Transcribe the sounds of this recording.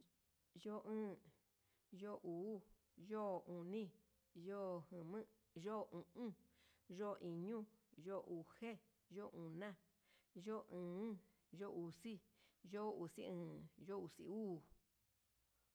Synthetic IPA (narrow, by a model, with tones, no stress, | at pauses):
jo˦˧ʔɨ̃ː˦ | jo˦˨ʔuː˨˦ | jo˦˨ũ˨nĩ˦ | jo˦˧˨hɨ̃˨mɨ̃˦ | ʒo˦˧˨ũ˨ʔũ˦ʒo˦˨˧ʔi˨ɲũ˦ʒo˦˧ʔu˨he˦ | ʒo˦ʔũ˨nã˦ | ʒo˦˨ʔɨ̃ː˨˦ | ʒo˦˨u˧si˦ʒo˦u˨si˦ɨ̃ː˧˦jo˦u˨sḭ˨uː˦˨